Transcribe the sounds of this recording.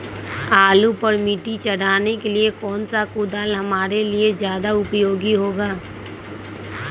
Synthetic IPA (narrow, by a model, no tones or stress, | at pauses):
aːlupəɾmiʈit͡ʃɐɽ̤aːnekeliekɔːnsakʊd̪aːlɦɐmaːɾeliezjaːd̪aʊpjoːɡiɦoːɡaː